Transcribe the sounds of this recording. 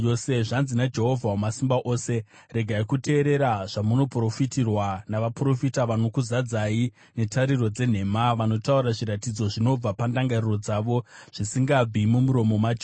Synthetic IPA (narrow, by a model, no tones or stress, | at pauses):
seʐanzinad͡ʒe̞ɦo̞vʱawamasimbaʔo̞ːse̞ | re̞ɡʱaikute̞ːɾe̞ɾaʐ̥amuno̞pro̞fitirwanaʋapro̞fitaʋano̞kuzad͡zai | ne̞taɾiro̞d͡ze̞n̤e̞ːmaʋano̞tauɾaʐiɾatid͡zo̞ʐino̞b͡vapandaŋɡariro̞d͡zaʋo̞ʐ̥isiŋɡab͡vimumuɾo̞mo̞mad͡ʒ